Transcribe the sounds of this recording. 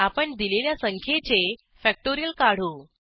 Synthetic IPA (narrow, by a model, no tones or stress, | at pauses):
apəɳd̪ileljasəŋkʰjet͡se | fɛk̚ʈoɾijəlkaɽ̤uː